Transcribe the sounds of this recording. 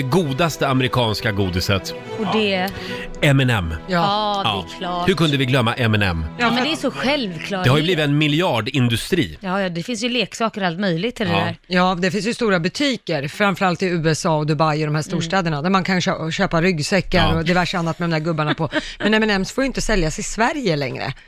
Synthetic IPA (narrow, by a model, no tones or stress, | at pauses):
ɛɡuːd̪ast̪əamɛɾɪkʰɑːnskaɡuːd̪ɪsət̪ | ɔd̪ɛ | ɛmɛnɛ̰mːjɑːɛkʰlɑːhɵɾkʰɵnd̪əvɪɡlœmːaʔɛmɛnɛ̰mːjɑːmɛnɛæsɔɧɛlvkʰlɑːd̪ɛhaɾjɵbliːvɪt̪ɛnmɪlɪɑːɖɪnd̪ɵst̪ɾḭːjɑːjɑd̪ɛfɪnsjɵleːksɑːkəɾalt̪mœjlɪɡ̚t̪ʰːɪld̪ɛd̪æːɾjɑːd̪ɛfɪns̬jəst̪uːɾabɵt̪ʰiːkəɾfɾamfœɾalt̪ɪʉ̟ːɛsɑːɔd̪ɵbajɔd̪ɔmhæːʂst̪uːʂʈɛːd̪əɳad̪æɾmankʰanɕøɕøːpaɾʏɡsɛkːaɾɔd̪ɛvæʂəanːat̪mɛd̪ɔmd̪æːɾɡɵbːaɳapʰɔmmɛnɛmɛnɛmsfoːjʏɪnt̪əsɛljasɪsvæɾjəlɛ̰ŋɾə̰